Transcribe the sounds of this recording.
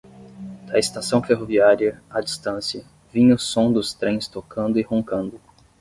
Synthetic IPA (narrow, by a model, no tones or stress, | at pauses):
d̪ɐest̪asɐ̃w̃feɦoviaɾiɐad͡ʒist̪ɐ̃sjɐ | vĩɲʊsõd̪ʊst̪ɾẽj̃st̪okɐ̃nd̪ʊɪhõŋkɐ̃nd̪ʊ